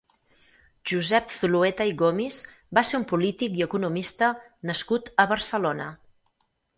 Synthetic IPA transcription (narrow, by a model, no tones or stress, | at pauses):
ʒuzɛp̚θuluet̪əiɣomiz | baseɾumpulit̪ikiəkunumist̪ə | nəskut̪əβəɾsəlonə